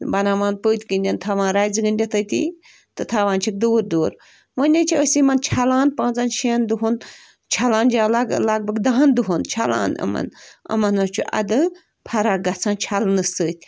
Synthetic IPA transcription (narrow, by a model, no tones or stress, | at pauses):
bɐnaːʋaːnpəːt̪ʲkənʲdʲɐnt̪ʰaːʋãːnɾaːjzɨɡɨnʲd̪ʲɐt̪ʰət̪ʰʲḭ | t̪ɨt̪ʰaːʋãːnt͡ʃʰik̚d̪oːɾd̪oːɾ | ʋənʲɐt͡ʃʰiəsimɐnt͡ʃʰalãːnpãːt͡sɐnʃind̪uɦon | t͡ʃʰalãːnd͡ʒaːllaɡ̚bɐɡd̪aɦnd̪uɦont͡ʃʰala̰ːnə̰mɐ̰nɐ̰mɐnɐt͡ʃʰuʔɐ̰d̪ɨ | pʰɐɾaɡɐt͡sʰãːnt͡ʃʰalnɨsəːt̪ʲʰ